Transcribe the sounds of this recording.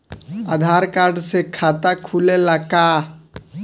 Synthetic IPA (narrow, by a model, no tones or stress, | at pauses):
ə̰d̪ʱaɾkaɾɖsekʰat̪akʰulelaka